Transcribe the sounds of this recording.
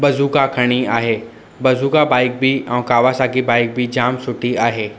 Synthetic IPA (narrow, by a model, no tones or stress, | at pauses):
bɐzukakʰəɽ̃iaːɦeː | bɐzukabaːɪk̚bʱiɔ̃ːkaːʋasakibaːɪk̚bʱid͡ʒaːmsʊʈiaːɦeː